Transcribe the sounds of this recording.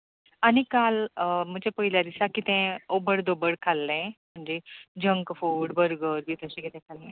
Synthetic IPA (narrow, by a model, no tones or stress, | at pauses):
anikalm̤ət͡ɕepəɦilad̪isakit̪ɛ̃obəɽd̪obəɽkʰalːẽm̤əɳd͡ʑed͡ʑə̃ŋkfoɽbʱəɾɡəɾbʱit̪əɕekit̪ɛ̃kʰalẽ